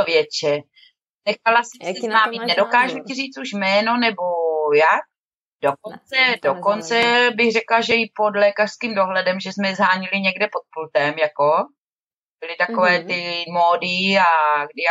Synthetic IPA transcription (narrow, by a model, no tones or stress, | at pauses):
vjɛt͡ʃɛ | nɛxalasɛmsɛnaːminɛdokaːʒuciriːt͡suʃmɛːnonɛbojak̚ | dok̚ont͡sɛdoko̞nt͡sɛbɪɣrɛklaʒɛɪpodlɛːkar̥skiːmdo̞ɦlɛdɛmʒɛsmɛzɦaːɲɪlɪɲɛɡdɛpot̪̚pult̪ɛmjako̞ | b̥ɪlɪt̪akovɛːt̪ɪmoːdɪaɡdɪja